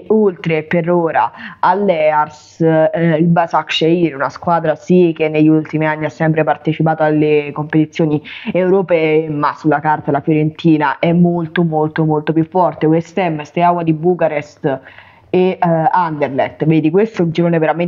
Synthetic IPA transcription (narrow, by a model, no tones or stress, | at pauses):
olt̪ɾepeɾoːɾa̰alːɛars | ilbasakʃeiɾunaskwaːd̪ɾasikenːeʎːult̪imianːiasːɛmpɾepart̪et͡ʃipaːt̪oalːekompet̪it̪sːjoːniɛwɾopɛːemasːulːakart̪alafjoɾent̪ʰiːnaʔɛmːolt̪omolt̪omolt̪opjufːɔrt̪ekwest̪ɛmːst̪eawad̪ibukaɾɛst̪ | eand̪eɾlɛt̪veːd̪ikwest̪od͡ʒiɾoːneveɾame